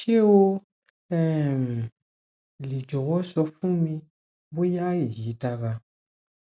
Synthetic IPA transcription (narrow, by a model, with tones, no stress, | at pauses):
ʃi˦e˦wo˦ | ɛ˦˨m˨ | li˨d͡ʒɔ˨wɔ˦sɔ˧fũ˦mĩ˧ | bo˦ja˦ji˨ji˨˦ta˧va˧